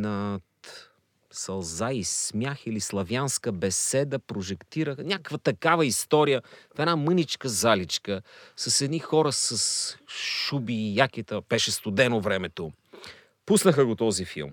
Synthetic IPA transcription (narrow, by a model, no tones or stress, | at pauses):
nɐt̪ | sɐlˠzaismʲjaxilislˠɐvjanskəbɛsɛd̪əpɾoʒɛkt̪iɾəxnʲakəkvət̪ɐkavəist̪ɔɾijəfɛnamɤnit͡ʃkəzalit͡ʃkəsɐsɛd̪nixɔɾəsɐsʃubijak̟it̪əb̥ɛʃɛst̪ʊd̪ɛnovɾɛmɛt̪o | pusnəxəɡot̪ɔzifḭlˠm